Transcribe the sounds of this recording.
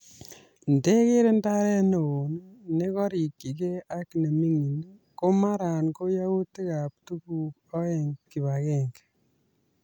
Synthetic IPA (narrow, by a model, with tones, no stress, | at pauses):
nde˦ke˦ɾe˦nda˦ɾɛ˦no˨o˨nne˦kɔ˦ɾi˨kːi˨ke˦a˦kne˨mi˦ŋi˨n˦ | ko˦ma˦ɾa˨nko˦ja˦wu˦te˦ka˨p̚tu˦ku˦k̚ɔ˦ɛ˨ŋki˨βakɛŋɡ